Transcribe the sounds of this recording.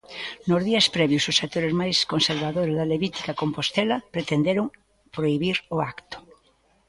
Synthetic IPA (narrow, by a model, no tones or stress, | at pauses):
nozðiɐspɾɛβjososak̚t̪oɾezmajskonseɾβaðoɾezðɐleβit̪i̥kɐkompost̪ɛlɐpɾet̪end̪eɾʊŋ | pɾoiβiɾoakt̪ʊ̥